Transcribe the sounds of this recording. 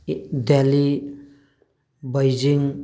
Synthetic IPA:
dɛli | bajd͡ʒiŋ

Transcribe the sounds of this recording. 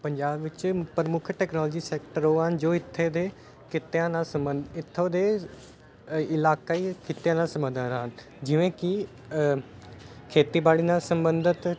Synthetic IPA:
pəɲd͡ʒaːbʋɪt͡ʃpəɾəmʊkʰʈɛːknɔːlːd͡ʒiːsɛːkʈəɾɦoːɦənd͡ʒoːɪt̪ʰːeːd̪eː | kʰɪt̪ejãːnaːsəmənɪt̪ʰːoːd̪eː | ɪlaːkaiːkʰɪt̪ːejãːnaːsəmbəd̪əɾɦən | d͡ʒɪʋẽːkɪ | kʰeːt̪iːbaːɽiːnaːlsəmbənd̪ət̪

